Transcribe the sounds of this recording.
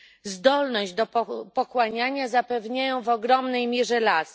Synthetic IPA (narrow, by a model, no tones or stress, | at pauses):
zd̪ɔlnɔʑd͡ʑd̪ɔpɔpɔkwaɲaɲazapɛvɲajɔ̃w̃vɔɡɾɔmnɛjmʲjɛʐɛlas